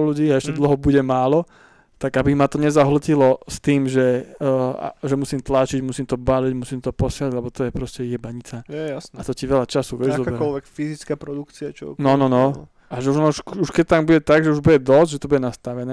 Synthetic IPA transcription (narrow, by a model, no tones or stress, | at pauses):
luɟiːaɛʃcɛd̪l̩ɦɔbuɟɛmaːlɔ | t̪aɡabimat̪ɔɲɛzaɦl̩cilɔst̪iːmʒɛ | a̰ʒɛmusimt̪lat͡ʃiɟmusimt̪ɔbaliɟmusimt̪ɔpɔsɪalaɟlɛbɔt̪ɔjɛpɾɔscɛjɛbaɲit͡sajasat̪ɔciʋɛlʎat͡ʃasuʋɪɛʒzɔbɛɾkɔlʋɛkfizit͡skaːpɾɔd̪ukt͡siat͡ʃɔnɔnɔnɔ | ʔaʒɛuʒɔnɔʃuʃkɛct̪ambuɟɛt̪aɡʒɛuʒbuɟɛd̪ɔzʒɛt̪ɔbuɟɛnast̪aʋɛnɛː